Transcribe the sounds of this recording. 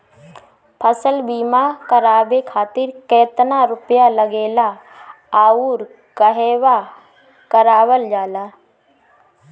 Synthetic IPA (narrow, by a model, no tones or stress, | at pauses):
pʰəsəlbiːmakəɾaːbekʰaːt̪ɪɾkɛːt̪naɾʊpjaləɡeːla | aːuːɾ | kəɦeːwa | kəɾaːwəld͡ʒaːlaː